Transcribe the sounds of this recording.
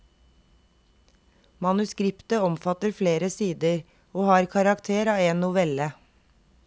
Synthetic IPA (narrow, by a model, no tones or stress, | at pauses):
mɑnʉskɾɪpt̪əɔmfɑt̪əɾfleːɾəsiːd̪əɾ | oːhɑːɾkʰɑɾɑkt̪ʰeːɾɑːeːnnʊʋɛlə